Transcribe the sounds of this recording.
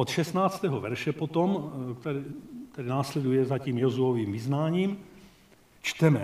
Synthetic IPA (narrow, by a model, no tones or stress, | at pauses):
ʔot̪ʃɛst̪naːt͡st̪ɛːɦovɛɾʃɛpot̪omkt̪ɛɾit̪ɛdɪnaːslɛdujɛzaciːmjozuoviːmvɪznaːɲiːm | t͡ʃt̪ɛmɛ